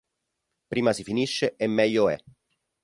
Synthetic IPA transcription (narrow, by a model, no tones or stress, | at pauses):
pɾiːmasifiniʃːeʔemːɛʎːoɛ̰